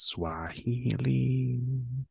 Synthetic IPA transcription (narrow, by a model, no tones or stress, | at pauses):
swahihili